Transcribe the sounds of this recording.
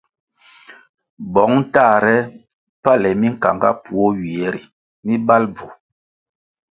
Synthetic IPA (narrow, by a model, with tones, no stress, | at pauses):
bɔ˨˦ŋ˦ta˦˨ɾɛ˦ | pa˦˨lɛ˨mi˦ŋ̩˨ka˨ŋɡa̰˦pu˨o˦ɥi˨e˨˦ɾi˨ | mi˦ba˦lb͡vu˨